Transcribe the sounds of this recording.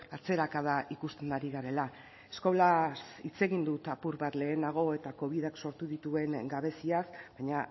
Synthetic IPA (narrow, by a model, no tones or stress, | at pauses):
at͡se̞ɾakað̞aʔikust̪e̞nd̪aɾiɣaɾe̞la | e̞sko̞lasit͡se̞ɣind̪ut̪apuɾβaɾle̞ːnaɣ̞o̞e̞t̪ako̞β̞iðakso̞ɾt̪uðit̪ue̞ŋɡaβe̞siasbaɲa